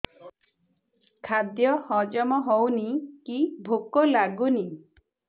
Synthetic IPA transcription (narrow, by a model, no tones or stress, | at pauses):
kʰad̪jɔhɔd͡ʒɔmɔɦɔwnikibʱokɔlaɡuni